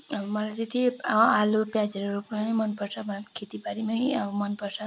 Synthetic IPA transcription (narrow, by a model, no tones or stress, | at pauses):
ʌmʌlajd͡zʌt̪ialopjad͡zʌɾoɾopnanʌmʌnpʌrt͡sʰʌbʱʌnkʰet̪ipaɾimʌĩʌbʌmʌnpʌrt͡sʰʌ